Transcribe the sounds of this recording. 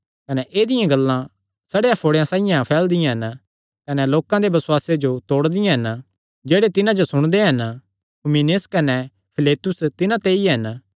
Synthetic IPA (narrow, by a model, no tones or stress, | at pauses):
kɐnɛʔeːd̪ɪjãɡɐlːã | sɐɽejãpʰoːɽejãsãːɪjãpʰɛːld̪ɪjãɦɐn | kɐnɛloːkãd̪ebɐsʊwaːsed͡ʒot̪oːɽd̪ɪjãɦɐn | d͡ʒeːɽet̪ɪnãd͡ʒosʊɽ̃d̪eɦɐn | ɦʊmineskɐnɛ | pʰɪleːt̪ʊst̪ɪnãt̪eiɦɐn